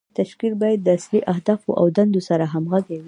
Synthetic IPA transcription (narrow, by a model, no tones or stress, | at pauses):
t̪aʃkik̚bɑjad̪ːəasliʔahd̪ɑfo̰ʔa̰wd̪and̪osaɾaɦamɣaɡawi